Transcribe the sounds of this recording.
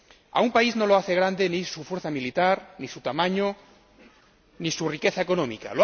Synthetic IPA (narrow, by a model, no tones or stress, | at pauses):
a̰umpaizno̞loaθe̞ɣ̞ɾand̪enisufwe̞ɾθamilit̪aɾnisut̪amãɲo | nisurike̞θaeko̞nõmḭka̰lo